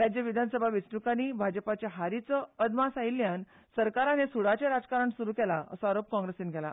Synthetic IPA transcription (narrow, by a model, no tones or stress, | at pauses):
ɾad͡ʑjəʋid̪ʱansəbʱaʋit͡snukaniːbʱad͡zəpat͡ɕaɦaɾit͡sɔəd̪masailjan | səɾkaɾanesuɽat͡ɕeɾad͡zkaɾəɳsuɾuːkɛlaə̰sɔaɾop̚kɔ̃ŋɡɾesiːnɡʱɛla̰